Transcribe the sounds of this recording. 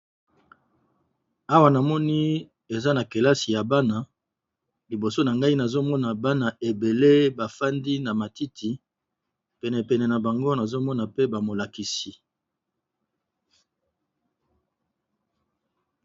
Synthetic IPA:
a˦wa˨na˨mɔ˦ni˦ | e˨za˦na˨ke˨la˦si˨ja˨ba˦na˨ | li˨bo˨so˦na˨ŋɡa˦i˦na˨zo˦mɔ˦na˨ba˦na˨e˨be˨le˦ba˨fa˦ndi˦na˨ma˨ti˦tʰi˨ | pɛ˨nɛ˨pɛ˨nɛ˨na˨ba˨ŋɡo˦na˨zo˦mɔ˦na˨pe˦ba˨mo˨la˨ki˨si˨

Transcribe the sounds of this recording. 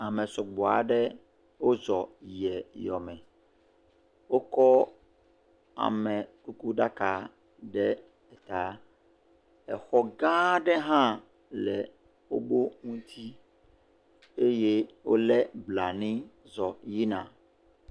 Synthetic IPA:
a˨mɛ̃˨sɔ˨ɡ͡bɔ˨a˨ɖɛ˦ | wo˦zɔ˨jɛ˨jɔ˨mɛ̃˨ | wo˦kɔ˦ | a̰˨mɛ̃˨ku˦ku˦ɖa˦ka˨ | ɖɛ˦ | ɛ˨t̪a˨˦ | ɛ˨xɔ˦ɡã˦ɖɛ˦ɦã˦ | lɛ˨ | wo̰˦bo˦ŋũ˦t̪ʰi˦ | e˦je˦wo̰˦lɛ˦bla˨nĩ˦ | zɔ˨ji˦nã˨

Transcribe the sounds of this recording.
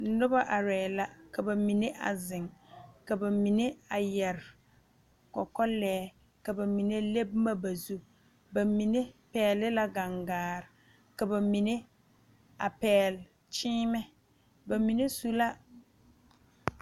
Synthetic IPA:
nʊ˦ba˦ʔa˨ɾɛ˨la˦ka˨ba˨mi˨ne˦ʔa̰˨zɪ˨ŋka˨ba˨mi˨ne˦a˨jɛ˨ɾ | kɔ˨kɔ˦lɛː˦ | ka˨ba˨mi˨ne˦le˦bma˦ba˨zu˦ | ba˨mi˨ne˦pɛː˨˦˨lɪ˦la˦ɡa˨ŋɡaː˨ɾɪ˨ | ka˨ba˨mi˨ne˦ | a̰˨pɛː˨l | t͡ʃiː˦mɛ˦ | ba˨mi˨ne˦su˦la˦

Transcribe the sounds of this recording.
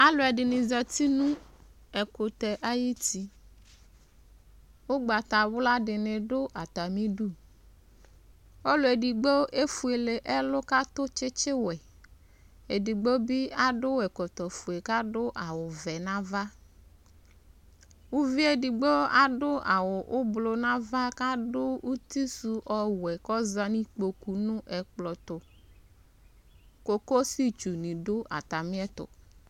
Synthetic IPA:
a˦lʊ˨ɛ˨ɖɪ˨nĩ˨zɔ˨t̪i˦nũ˦ | ɛ˨ko˨t̪ɛ˨ʔa˦ji˦t̪i˨ | wo˦ɡ͡ba˨t̪a˨wʊ˦la˦ɖɪ˨nẽ˨ɖʊ˦ʔa˨t̪a˨mĩ˦ɖu˦ | ɔ˦lʊ˨e˨di˨ɡ͡bo˦ʔe˦fu˨e˨le˨ʔɛ˦lʊ˦ka˦t̪o˦t͡ʃɪ˦t͡ʃe˦wɛ˨ | e˨di˨ɡ͡bo˦bi˦a˦ɖʊ˦wɛ˨kɔ˨t̪ɔ˨fu˨e˨ka˦dʊ˦ʔa˨wʊ˨vɛ˨nã˦va˦ | wu˦vi˦e˨di˨ɡ͡bo˦a˨ɖʊ˦a˨wʊ˨ʔʊ˦blo˨nã˦va˦ka˦dʊ˦wu˦t̪i˦su˨ʔɔ˦wɛ˨kɔ˦za˦nĩ˦k͡po˨ku˨nʊ̃˦ʔɛ˨k͡plɔ˨t̪ʊ˨ | ko˦ko˦si˦t͡ʃu˨nĩ˨ɖʊ˦a̰˨t̪a˨mĩ˦ɛ˦t̪ʊ̰˨

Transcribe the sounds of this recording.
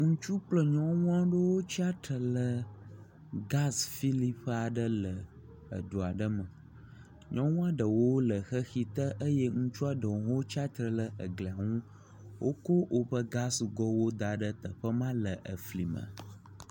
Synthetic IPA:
ŋũ˦t͡ʃu˦k͡plə˦ɲɔ̃˦wũ˦a˦ɖə˦wo˦t͡ɕi˦a˦t̪ɾə˨lə˨ | ɡa˦sfi˦li˦pɸə˦a˨ɖə˦lə˨ | ə̰˨ɖo˨a˨ɖə˦mə̃˨ | ɲɔ̃˦wũ˦a˦ɖə˨wo˦wlə˨xə˦xi˦t̪ə˦ʔə˦je˦ŋũ˦t͡ʃu˦a˨ɖə˨wo˦t͡ɕi˦a˦t̪ɾə˨lə˦˨ə˨ɡle˨a˨ŋũ˦ | wʔo̰˦ko˦wʔo˦ɸə˦ɡa˦sɡɔ˦wo˦d̪a˨ɖə˦t̪ə˨ɸə˦mã˦lə˨ʔə˨fli˨mə̰̃˨

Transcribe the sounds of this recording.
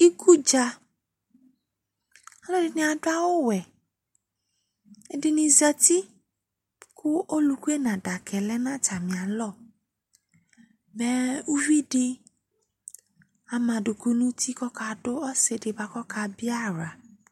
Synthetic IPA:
i˦kʰu˦d͡ʒa˧ | a˨lɔ˦di˨nĩ˨a˨ɖo˦a˦wo˦wɛ˨ | e˨di˨nĩ˨zɛ˧t̪i˦ | ku˦ʔo˦lu˨ku˦e˦nã˨ɖa˨kʰɛ˨lɛ˦nã˦˨t͡ʃa˨mĩ˨a˨lɔ˦˨ | bɛ˦u˦vi˦ɖe˧ | a˨mã˨ɖo˨ko˨˦nũ˦t̪i˦kɔ˦ka˧ɖo˦ɔ˦se˨˦ɖe˨ba˦kɔ˦ka˨bi˦a˦ɾa˨

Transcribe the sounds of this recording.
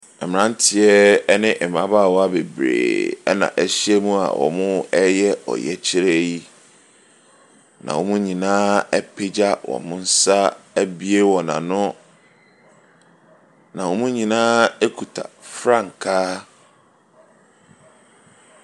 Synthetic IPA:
ɛ˨mɪ̃˨nã˦n˦tʰɪ˦ɛ˦ɛ˦nɪ̃˦ʔɛ˨m˨ã˨˦baː˦˨wɔ˦a˦be˨bɾḛː˨ɛ̰˦nã̰˨ʔæ˨ɕi˦ɛ˦mũ˦a̰˨wʔɔ̰˨mʊ̃˦ɛ˦jɛ˦ɔ̰˨jɛ˦t͡ɕʰɪ˦ɾe˦ji˦ | nã̰˨wɔ˨mũ˦ɲĩ˨nãː˦ɛ˦pʰe˦d͡ʑa˦wɔ̰̃˨mʊ̃˦n̩˦sa˦æ˦bi˦e˦wɔ˨nã̰˨nʊ̃˦ | nã˨wɔ˨mũ˦ɲĩ˨nãː˦e˦kʰu˨tʰa̰˨fɾã˦˨ŋ̩˨kʰaː˦

